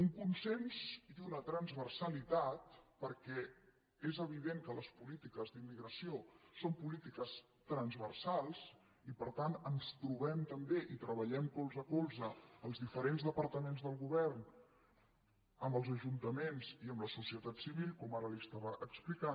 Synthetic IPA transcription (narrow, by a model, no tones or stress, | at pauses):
uŋkunsenzd̪unət̪ɾənzβərsəlit̪at̪̚pəɾkɛ | ezəβ̞iðeŋkələspulit̪ikəzðimːiɣɾəsiosompulit̪ikəs | t̪ɾənzβərsalˠz | ipəɾt̪anənst̪ɾuβɛmt̪əmbeʔit̪ɾəβəʎɛmkolˠzəkolˠzəːlˠzðifəɾenzðəpəɾt̪əmenzðəlˠɣuβɛrn | əmbəlˠzəʒunt̪əmenziəmləsusiət̪at̪siβilˠkɔmaɾəlist̪aβəʔəksplika